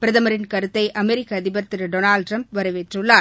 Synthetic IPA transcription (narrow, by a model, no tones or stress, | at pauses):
pɪɾɐðɐmɐɾɪnkɐɾɯt̪ːɐɪʔʔɐmɛɾɪkːɐːðɪbɐɾt̪ɪɾɐɖonaːlɖʈrɐmp̚ʋɐɾɐʋeʈrɯɭːaː